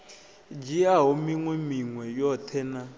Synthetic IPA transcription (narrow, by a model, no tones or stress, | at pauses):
d͡ʒiaɦɔmiŋwɛmiŋwɛjɔtʰɛna